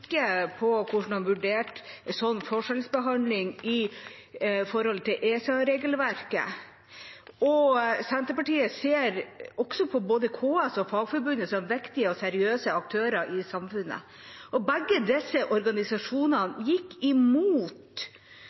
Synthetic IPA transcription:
kːəpʰɔkʰʊʂɳ̩ɑnʋʉɖeːʈ̪sɔnːfɔʂɛlsbəɦɑnlɪŋɪ | fɔɾhɔlt̪ʰɪlʔeːsɑɾeːɡəlʋæɾkə̰ | ɔsænt̪əɾpɑʈiːəseːɾɔɡ̥sɔpʰɔboːd̪əkʰoːɛsɔfɑːɡfɔɾbʉnəsɔmʋɛkt̪ɪəɔsɛɾɪøːsəɑk̚t̪ʰøːɾəʔɪsɑmfʉnːə̰ | ɔbæɡːəd̪ɛsːəʔɔɾɡɑnɪsɑʂuːnɑnjɪkːɪmuːt̪

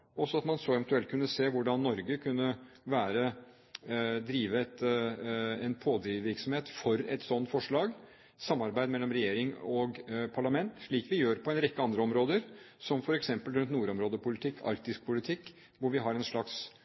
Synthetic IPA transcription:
ɔsɔɑt̪mɑnsɔɛʋɛnt̪ʉɛlkʰʉnːəseːʋʊɖɑnːɔɾɡəkʰʉnːəʋæːɾə | d̪ɾiːʋəɛt̪ | ɛnpʰoːd̪ɾɪʋɪɾksɔmheːt̪fɔɾɛt̪sɔnt̪fɔʂɭɑːɡ | sɑmːɑɾbæɪmɛlːɔmɾɛjeːɾɪŋɔɡpʰɑɭɑmɛnt̪ʂɭiːkʋɪjøːɾpɔɛnɾɪkːəɑnd̪ɾəɔmɾoːd̪əɾ | sɔmfɔɾɛksɛmpəlɾʉnt̪nuːɾɔmɾoːd̪əpʊlɪt̪ʰɪkːɑ̰ɾkt̪ɪsk̚pʰʊlɪt̪ʰɪkː | ʋʊɾʋɪɦɑɾɛnʂɭɑks

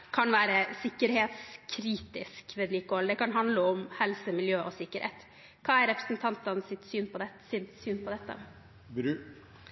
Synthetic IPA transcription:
kʰɑnʋæːɾəsɪkːəɾheːt̪skʰɾiːt̪ɪskʋɛːd̪liːkːɔɑld̪ɛkɑnɦɑnd̪ləɔmhɛlsəmɪljøːʔɔsɪkːəɾhḛːt̪ | kʰɑːæɾɾɛpɾə̥sn̩t̪ʰɑnt̪ɑnsɪt̪syːnpʰɔd̪ɛsɪnsyːnpʰɔd̪ɛt̪ːə̰

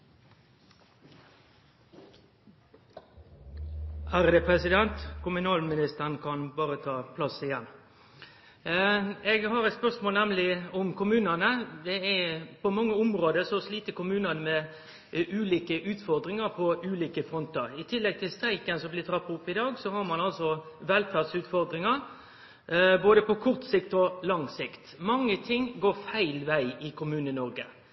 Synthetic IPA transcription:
ʔæɾd̪ɛpʰɾɛsɪd̪ɛnt̪kʊmʉnɑːlmɪnɪst̪əʁnkʰɑnbɑːɾət̪ʰɑːpʰlɑsɪjɛn | ɛɡɦɑɾɛt̪spœʂmoːlnæmlɪʊmkʰʊmʉːnɑnəd̪ɛæpʰɔmɑŋːəʊmʁoːd̪əsɔsliːt̪əkʊmʉːnɑnəmɛ | ʔʉːliːkəʔʉːt̪fɔɾd̪ɾɪŋɑɾpʰɔʔʉːliːkəfɾɔnt̪əɾɪt̪ʰɪlːɛɡ̚t̪ʰɪlst̪ɾæɪkənsɔmblɪt̪ʰɾɑpːɑʊpːɪd̪ɑːɡsɔhɑɾmɑnɑlsɔʋɛlfæʁd̪sʉːt̪fɔɾd̪ɾɪŋɑɾ | boːd̪əpɔkʰʊʁt̪sɪkt̪ɔlɑŋsɪkt̪mɑŋːət̪ʰɪŋɡoːɾfæɪlʋæɪɪkʰʊmʉːnənɔɾɡə

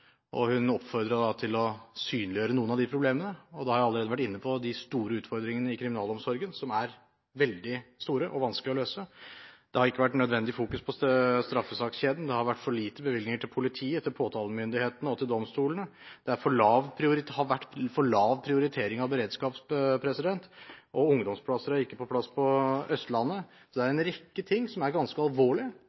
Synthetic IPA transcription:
ʔɔ̰hʉnɔpːfɔɾd̪ɾəd̪ɑt̪ʰɪlɔsyːnlɪjøːɾənuːənɑʋd̪ɪpʰɾʊbleːmənəɔd̪ɛhɑɾjɑlːəɾeːd̪əʋæʈːɪnːəpʰɔd̪ɪst̪uːɾəʉːt̪fɔɾd̪ɾɪŋənəɪkʰɾɪmɪnɑːlɔmsɔɾɡənsɔmæɾ | ʋɛld̪ɪst̪uːɾəʔɔʋɑnsklɪɔløːsəd̪̥ɛhɑɾɪkːəʋæʈːnœd̪ʋɛnd̪ɪfuːkʉspʰɔsst̪ɾɑfːəsɑːksçeːd̪n̩d̪ɛhɑɾʋæʈːfɔɭiːt̪əbəʋɪld̪nɪŋəʈʰɪlpʰʊlɪt̪ʰiːət̪ʰɪlpʰoːt̪ʰɑːləmʏnd̪ɪheːt̪ənəɔt̪ɪld̪ɔmst̪uːlənəd̪̥ɛæɾfɔɭɑːʋpʰɾɪʊɾɪhɑɾʋæʈːfɔɭɑːʋpʰɾɪʊɾɪt̪ʰeːɾɪŋɑʋbəɾeːd̪skɑːpsppʰɾɛsɪd̪ɛnt̪ʔɔʊŋd̪ɔmspʰlɑsəɾæɾɪkːəpʰɔpʰlɑsːpʰɔœst̪lɑnːə | sɔd̪ɛæɾɛnɾɛkːət̪ʰɪŋːsɔmæɾɡɑnskəɑlʋoːɭɪ

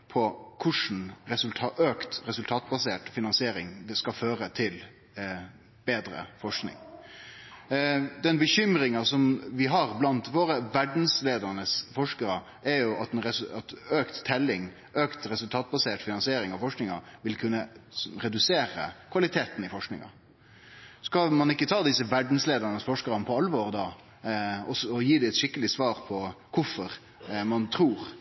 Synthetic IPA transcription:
pʰɔkʰʊʂn̩ɾɛsʉlt̪ʰɑʔøːkt̪ɾɛsʉlt̪ʰɑːt̪̚bɑseːʈfɪnɑnsɪeːɾɪŋd̪ɛskɑføːɾət̪ʰɪl | b̥eːd̪ɾə̰fɔʂknɪ̰ŋ | d̪ɛnbəçʏmɾɪŋɑsɔmʋɪɦɑɾblɑnt̪ʋoːɾəʋæɖn̩sleːd̪əɾnəsfɔʂkəɾə | æɾjʊʔɑt̪ɛnɾɛɑt̪øːkt̪t̪ʰːɛlːɪŋ | øːkt̪ɾɛsʉlt̪ʰɑːt̪̚bɑseːʈfɪnɑnsɪeːɾɪŋɑʋfɔʂknɪŋɑ̰ʋɪlkʰʉnːəɾɛd̪ʉseːɾə̰kʰʋɑlɪt̪ʰeːt̪n̩ɪfɔʂknɪ̰ŋɑ̰ | skɑmɑnɪkːət̪ʰɑːd̪ɪsəʋæɖn̩sleːd̪əɾnəsfɔʂkəɾənəpʰɔɑlːʋɔɾd̪ɑː | ɔsɔjiːd̪ɪɛt̪ʃɪkːəlɪsʋɑːɾpʰɔkʰʊfɔɾ | mɑnt̪ʰɾuːɾ

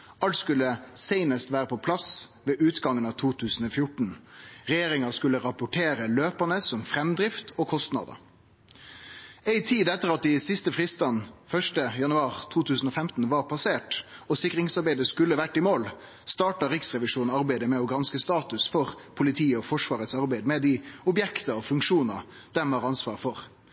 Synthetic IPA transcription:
ɑlt̪skʉlːəseɪnəst̪ʋæːɾəpʰɔpʰlɑsʋeːʔʉːt̪ɡɑŋːənɑːʋt̪ʰuːt̪ʰʉːsn̩ɔfjʊʈɳ̩ʁɛjeːɾɪŋɑskʉləʁɑpʊʈʰeːɾəløːpɑnəsɔmfɾɛmd̪ɾɪft̪ʰɔkʰɔst̪nɑ̰ːd̪ə̰ | æɪt̪ʰiːd̪ɛt̪ːəɾɑt̪̚d̪ɪsɪst̪əfʁiːst̪ɑnfœʂʈəjɑnʉɑːʁt̪ʰuːt̪ʰʉːsn̩ɔfɛmt̪n̩ʋɑɾpʰɑseːʈɔsɪkɾɪŋsɑɾbæɪd̪əskʉlːəʋæʈːɪmoːl | st̪ɑːʈɑɾɪksʁɛʋɪʂuːnɑɾbæɪd̪əmɛɔɡɾɑnskəst̪ɑːt̪ʉsfɔʁpʰʊlɪt̪ʰiːɔfɔʂʋɑːʁət̪sɑɾbæɪd̪mɛd̪ɪʊbjɛkt̪əɔfʉŋkʂuːnɑ̰ | d̪̥ɛmɑːɾɑnsʋɑ̰ːʁfɔʁ

